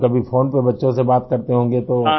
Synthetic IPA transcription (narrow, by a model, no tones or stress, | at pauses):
kɐbʱifʰoːnpebɐtːʃõsebaːt̪kɐɾt̪eɦõːŋ̆ɡet̪oː